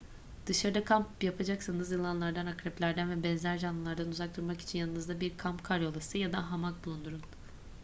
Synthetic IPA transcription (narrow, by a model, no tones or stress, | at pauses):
d̪̥ɯʃaɾɯd̪akʰampjapʰad͡ʒaksɯnɯzilˠanlˠaɾd̪anakɾɛplʲæɾd̪ænvɛbɛnzæɾʒanːɯlˠaɾd̪anuzak̚t̪uɾmaki̥t͡ʃʰinjanɯnɯzd̪abiɾkʰampkʰaɾjo̞lˠasɯjad̪aɦamak̚bulˠund̪uɾun